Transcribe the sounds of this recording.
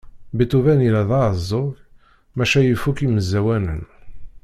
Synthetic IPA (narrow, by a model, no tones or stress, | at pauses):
bit̪uvænilæðˤɑəzˤːʊk | mæʃæjəfːukiməzːæwænə̰n